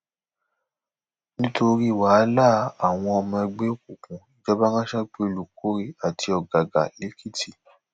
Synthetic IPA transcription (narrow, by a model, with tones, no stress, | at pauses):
nĩ˦tʰo˧ɾi˦˨wa˨˦la˦˨˦a˨w̃ɔ̃˧ɔ˧mã˧ɛ˧ɡ͡be˦ku˨kũ˨d͡ʒɔ˦ba˦ŋã˦ʃɛ˦k͡pe˦˧lu˨ko˦ɾi˦a˨tʰi˧ɔ˨ɡa˨ɡa̰˨le˨˦kʰi˦tʰi˦˨